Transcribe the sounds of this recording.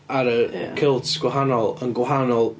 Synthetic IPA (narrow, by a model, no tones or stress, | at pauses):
aɾəkʰɪlˠtʰɡ̥wɪɦanɔlˠənɡwɦanɔlˠ